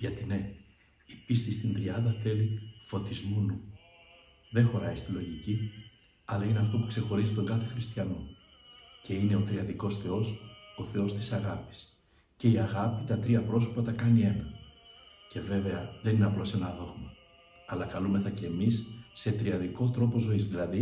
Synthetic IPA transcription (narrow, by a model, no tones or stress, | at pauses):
ʝɐt̪ine̞ | ipist̪ist̪ind̪ɾiɐnd̪ɐθe̞lifo̞t̪izmunu | ðe̞xo̞ɾɐist̪ilo̞ʝici | ɐlɐine̞ɐft̪o̞pukse̞xo̞ɾizit̪o̞ŋɡɐθe̞xɾist̪çɐno̞ | cʰe̞ine̞o̞t̪ɾiɐðiko̞sθe̞o̞so̞θe̞o̞st̪i̥sɐɣɐpi̥s | ce̞iɐɣɐpit̪ɐt̪ɾiɐpɾo̞so̞pɐt̪ɐkɐnie̞nɐ | ce̞ve̞ve̞ɐðenineɐplo̞se̞nɐðo̞ɣmɐː | lɐkɐlume̞θɐce̞ːmisːe̞t̪ɾiɐðiko̞t̪ɾo̞po̞zo̞izðilɐði